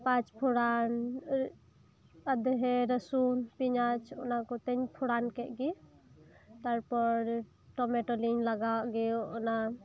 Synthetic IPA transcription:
pãt͡ʃpʰuɽan | əd̪ɦeɾəsunpiɲat͡ʃʰo̰nakot̪enpʰuɽankeʔɡi | t̪əɾpɔɾ | ʈomeʈolinləɡaɡeoona

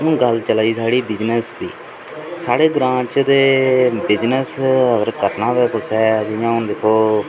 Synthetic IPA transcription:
nũːɡəlt͡ʃəlaːiːsaːɽiːbɪd͡ʒnəsd̪ḭː | saːɽeːɡɾãːt͡ʃd̪eːbɪd͡ʒnəsəɡəɾkəɾnaːʋɛːkʊsɛːd͡ʒɪjãːʊnd̪eːkʰoː

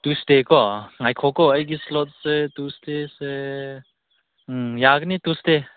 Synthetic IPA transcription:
t̪ust̪ekɔŋajkʰɔkɔəjɡislɔt̪̚set̪ust̪ese | jaknit̪ust̪e

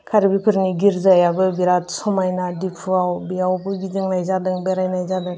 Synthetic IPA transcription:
kʰaɾibipʰɯɾniɡiɾzajabɯbiɾatsɔmajnadipʰɯawbiawbɯɡidɯŋnajzadɯŋbeɾajnajzadɯŋ

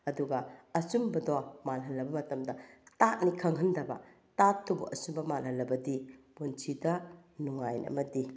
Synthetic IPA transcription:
ɐduɡɐɐsumbɐdɔmalɦɐnːɐbɐmɐtɐmdɐtat̚nikʰɐŋɦɐndɐbɐ̰ | tatʰːubṵʔɐ̰sumbɐmalɦɐnlːɐbɐdibunt͡ʃʰidɐ | nuŋajnɐ̰mɐdi

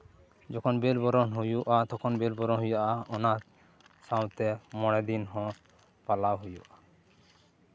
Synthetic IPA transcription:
d͡ʒɔkʰɔnbelbɔɾɔnɦujuʔat̪ɔkʰɔnbelbɔɾɔnɦujaʔaɔna | saw̃t̪ɛmɔɽɛd̪inɦɔ̃ | palawɦujṵʔa

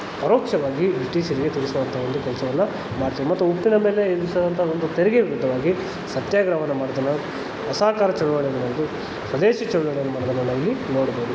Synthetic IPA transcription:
pɐɾoːkʂɐʋaːɡiʋiʈiːsiɾiɡet̪iɽisɐd̪ɐnt̪ʰɐond̪ukɛlsɐʋɐnːɐ | maːɽt̪iːʋimɐt̪ːuupːinɐme̞ːleisɐd̪ɐnt̪ʰɐɐond̪ut̪eɾiɡeʋiɾud̪ʱːɐʋaːɡi | sɐt̪jaːɡɾɐʋɐnːɐmaːɽd̪ɐnːɐ | ɐsaːkaːɾɐt͡ʃɐɳuʋaːɳid̪ɐnɐːd̪u | sʋɐd̪e̞ːʃit͡ʃɐɭulɐɽɐnːɐmaːɽd̪ɐnɐnːɐilːino̞ːɽɐboːd̪u

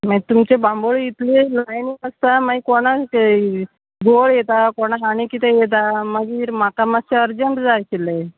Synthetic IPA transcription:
mait̪umt͡ɕebãmboɭit̪lelajnikəst̪amaikoɽ̃a | ɡoɭjet̪akoɽ̃aɦaɽ̃ikit̪ejet̪̬aməɡiːɾmakamat͡ɕeəɾd͡zəɳʈd͡zajkile

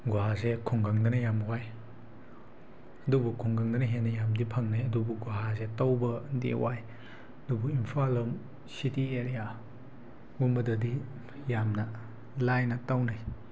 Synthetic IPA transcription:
ɡuɦazekʰɔŋɡaŋdɐnɐjamwaj | ɐdubukʰɔŋɡaŋdanɐɦenɐjamdipʰaŋnajɐdubuɡuɦazetawbɐdḛwaj | ɐdubuimpʰalɯm | sitieɾija | ɡumbɐdɐdi | jamna | lajnɐtawnaj

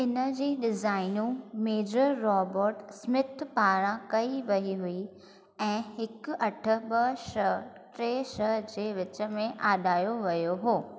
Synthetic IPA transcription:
ɪnə̆d͡ʑiːɗɪzaːɪnũmeːd͡ʑəɾːɔːboːɾʈsmɪt̪ʰpaːɾãkɐiʋɐɦiɦʊi | ɛ̃ːɦhɪkʊɐʈʰə̆ɓəʃəɦʈɾeːʃəɦd͡ʑeːʋɪt͡ɕəmẽʔaːɗaːjoʋɐjoɦoː

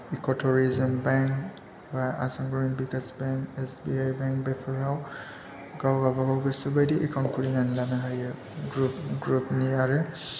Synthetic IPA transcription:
ikotʰɔɾizɯmbaŋk | baa̰saŋɡɔiŋbikasbeŋkesbiajbeŋk̚bepʰɔɹhaw | ɡawɡabaɡawɡɯsubajdiʔɛkʰawntkʰuɾinanlanaɦajɯ | ɡɾupɡɾupniaɾe

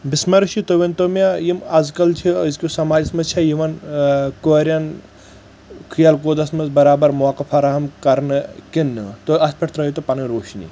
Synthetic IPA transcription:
bismɐɾiʃit̪oʋent̪omjajimɐzkɐlt͡ʃʰizkʲusɐmaːd͡ʒɐsmɐt͡ʃʰɐjiʋɐnkoɾʲjɐn | kʰɨjɐlkoːd̪ɐsmɐzbɐɾaːbɐɾmuʋakɐfɐɾaɦɐmkɐɾnɨkinːɨt̪oɐspʲɐʈʰt̪ɾɐjit̪opɐniɾoːʃnḭ

